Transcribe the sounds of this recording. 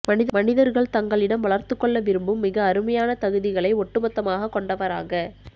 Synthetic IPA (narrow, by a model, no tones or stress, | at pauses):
mɐnɪðmɐnɪðɐɾɣɐɭt̪ɐŋɡɐɭɪɽɐmʋɐɭɐɾt̪ɯkːɔɭːɐʋɪɾɯmbɯmːɪɣɐːɾɯmɐjaːnɐt̪ɐɣɯðɪɣɐɭɐɪɔʈːɯmɐt̪ːɐmaːɣɐkːɔɳɖɐʋɐɾa̰ːɣɐ